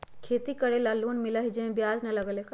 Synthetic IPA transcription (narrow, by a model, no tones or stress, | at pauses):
kʰeːt̪ikəɽelaluːnmɪləɦid͡ʒeẽbjaːd͡ʒnɐlɐɡəlek